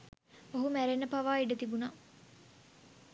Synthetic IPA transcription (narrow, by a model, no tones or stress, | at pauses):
oɦumæɾenːəpaʋaːiɖət̪ibunaː